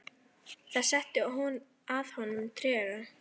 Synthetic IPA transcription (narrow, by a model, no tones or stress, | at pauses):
θaðsɛht̪ɪɔɦun | aðhɔnːʏmt̪ʰɾɛːɾa